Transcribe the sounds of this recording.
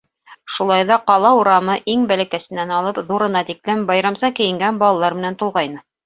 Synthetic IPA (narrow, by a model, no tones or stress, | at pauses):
ʃulˠɑjðɑqɑlˠɑuɾɑmɤʔiŋbælæ̆kæsɘ̆nːænɑlˠɤpðuɾɤ̆nɑt̪iklɘmbɑjɾɑmsɑkɘ̆jɘ̆ŋɡænbɑlˠɑlˠɑɾmɘ̆nænt̪ulˠʁɑjnɤ